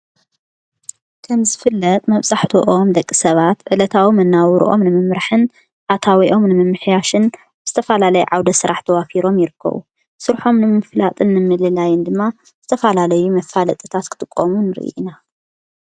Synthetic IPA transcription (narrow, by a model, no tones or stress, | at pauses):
kʰɐmzɨfɨlːɐt̪ʼmɐβsʼaħt̪ʰoʔomd̪ɐkʼːisɐβat̪ʕɨlɐt̪ʰawimɐnːawɾṵʔo̞̰mnɨmɨmɾaħɨn | ʔat̪ʰawiʔo̞mnɨmɨmːɨħjaʃɨn | bɨz̥ɨt̪ʰɐfalalɐjṵʕawd̪ɐsɨɾʔaħt̪ʰɐwafiɾo̞mjɪɾɨkʰːɐ̰βṵ | sɨɾħo̞mnɨmɨflat̪ʼɨnːɨmːɨlɨlajɪnd̪ɨmːa | z̥ɨt̪ʰɐfalalɐjumɐfalɐt̪ʼɨt̪ʰat̪kʰɨ̥t̪ʼɨkʼːomunɨɾɨ̰ʔḭʔḭna